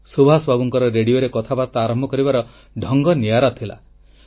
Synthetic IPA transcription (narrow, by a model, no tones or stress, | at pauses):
subʱasɔbʱabɔŋkɔɾɔɾeɽioɾekɔt̪ʰabat̪ɔaɾɔmbʱɔkɔɾibaɾɔ | ɖʱɔŋɡɔniaɾɔt̪ʰila̰